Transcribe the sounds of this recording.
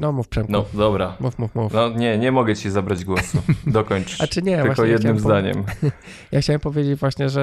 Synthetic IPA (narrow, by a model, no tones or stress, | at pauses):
nɔmufpʂɛmnɔd̪ɔbɾamufmufmufnɔɲɛɲɛmɔɡɛt͡ɕizabɾad͡ʑɡwɔsud̪ɔkɔɲt͡ʂɨ̥at͡ʂɘɲɛjvɨvakɔɛjɛd̪aɨmzd̪aɲɛ̰m | jaxt͡ɕawɛmpɔvʲjed͡ʑed͡ʑvwaɕɲɛʐɛ